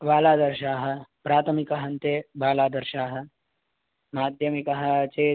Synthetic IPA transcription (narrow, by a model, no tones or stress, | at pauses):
ʋaːlaːd̪ɐɾʃaːɦɐ̆pɾaːt̪ʰɐmikɐɦɐnt̪eːbaːlaːd̪ɐɾʃaːɦɐ̆ | maːd̪ʱjɐmikɐɦɐ̆t͡ʃeː